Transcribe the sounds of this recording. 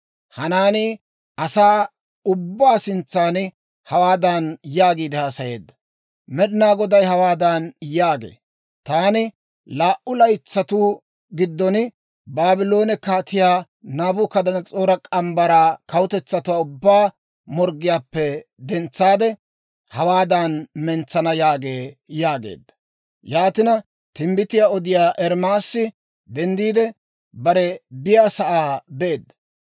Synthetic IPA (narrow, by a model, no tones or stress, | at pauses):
hɐnaːnɪ | ɐsaː | ʊbːaːsɪnt͡sːaːn | hɐwaːd̪ɐnjaːɡiːd̪ɛhaːsɐje̞̰ːd̪ːɐ̥ | mɛɗɪnaːɡɔd̪ɐjhɐwaːd̪anjaːɡḛː | t̪aːnɪ | laːʔʊlɐjt͡sːɐt̪uː | ɡɪd̪ːɔn | baːbɪlo̞ːnɛkaːt̪ɪjaː | naːbʊkɐd̪ɐnɐt͡sʼoːɾɐkʼɐmbɐɾaːkɐwʊt̪ɛt͡sːɐt̪ʊwaːʊbːaː | mɔɾɡɪjaːpːɛd̪ɛnt͡sːaːd̪ɛ | hɐwaːd̪anmɛnt͡sːɐnɐjaːɡe̞ːjaːɡḛːd̪ːɐ̥ | jaːt̪ɪnɐ | t̪ɪmbɪt̪ɪjaːɔd̪ɪjaːʔɛɾmaːsːɪ | d̪ɛnd̪iːd̪ɛ | bɐɾɛbɪjaːsɐʔaːbeːd̪ːɐ̥